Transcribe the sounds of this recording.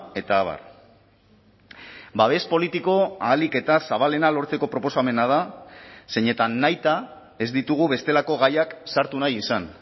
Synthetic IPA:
e̞t̪aːβ̞a̰r | baβ̞e̞spo̞lit̪iko̞aːlike̞t̪asaβale̞nalo̞ɾt͡se̞ko̞pɾo̞po̞same̞nað̞ase̞ɲe̞t̪anːajt̪a | e̞zd̪it̪uɣ̞uβe̞st̪e̞lako̞ɣajaksaɾt̪unajisan

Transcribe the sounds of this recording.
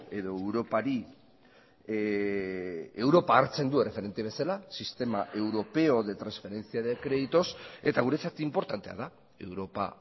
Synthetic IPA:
e̞ðo̞ewɾo̞paɾi | ewɾo̞paːɾt͡se̞nd̪ue̞re̞fe̞ɾe̞nt̪eβ̞e̞salasist̪e̞maʔe̞wɾo̞pe̞o̞ðe̞t̪ɾansfe̞ɾe̞nt͡siaðekɾe̞ðit̪o̞se̞t̪aɣ̞uɾe̞t͡sat̪impo̞ɾt̪ant̪e̞a̰ða | e̞wɾo̞pa̰

